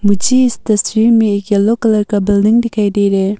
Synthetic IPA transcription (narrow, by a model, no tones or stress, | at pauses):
mut͡ʃistɐsɾimikalokɐlɐɾkɐbildiŋdikʰajdejɾe